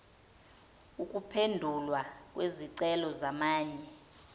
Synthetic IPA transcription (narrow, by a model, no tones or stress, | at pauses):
ukʼupʰendʱulwak̬ʼweziǀɛlɔzamaːɲɛ